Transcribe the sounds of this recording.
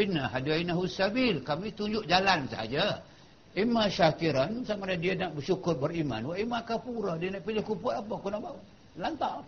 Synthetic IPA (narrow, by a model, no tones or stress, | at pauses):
inaɦaduainaɦusabɪlkamit̪uɲd͡ʒʊʔd͡ʒalansa̰ɦa̰d͡ʒa | imaʃakiɾansamaladianaʔbəʃukʊrbərima̰nwaʔimakapuɾadianaʔpilɪhkupʊtapakunaʔba | lant̪aʔ